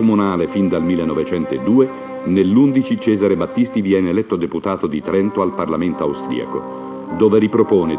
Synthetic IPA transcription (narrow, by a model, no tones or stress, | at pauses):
omunaːlefind̪almilːenːɔvet͡ʃɛnt̪oed̪uːe | nelːund̪it͡ʃit͡ʃɛːzaɾebat̪ːist̪ivjɛːneːlɛt̪ːod̪eput̪aːt̪od̪it̪ɾɛnt̪oalparlament̪oawst̪ɾḭa̰ko̰ | d̪oːveɾipɾopoːne